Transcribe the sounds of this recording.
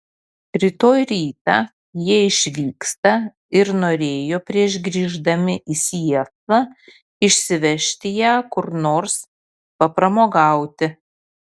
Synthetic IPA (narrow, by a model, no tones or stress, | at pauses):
ɾʲɪt̪oːjɾʲiːt̪ɑː | jiɛɪʃʲʋʲiːkst̪ɐ | ɪɾnoːɾʲeːjoːpʲɾʲiɛʒɡɾʲiːʒd̪ɐmʲɪʔisʲiɛkˠɐ | ɪʃʲsʲɪʋʲɛʃʲt̪ʲɪjæːkʊɾnoːɾs | pɐpɾɐmoːɡɑˑʊt̪ʲɪ